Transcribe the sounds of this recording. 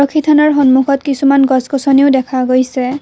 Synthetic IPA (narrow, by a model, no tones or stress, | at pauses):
ɔkʰːitʰanaɹxɔnmukʰɔtkisumanɡɔskɔsɔniʊdɛkʰaɡojsɛ